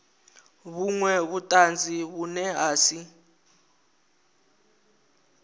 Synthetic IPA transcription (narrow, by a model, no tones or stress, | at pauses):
βuŋwɛβutʼand͡zʱiβunɛɦaːsi